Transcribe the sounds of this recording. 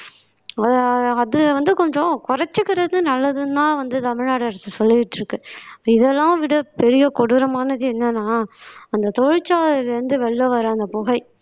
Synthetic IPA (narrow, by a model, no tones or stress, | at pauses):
ɐɐðɯʋɐnd̪ɯkɔɲd͡ʒõkʊɾɐt͡ʃːɯkːɪɾɐðnɯnɐlːɐðɯnãːʋɐnd̪ɯt̪ɐmɪɻnaːɽɐɾɐsɯsɔlːɯɪʈːɾɯkːɯɪðɛlːãːʋɪɽɐpɛɾɪjɐkɔɽɯɾɐmaːnɐðɯɛnːɐnaːɐnd̪ɐt̪ɔɻɪt͡ʃːaːðɪlɛɾɯnd̪ɯʋɛɭːɐʋɐɾɯ̃ɐnd̪ɐpʊɣɐɪ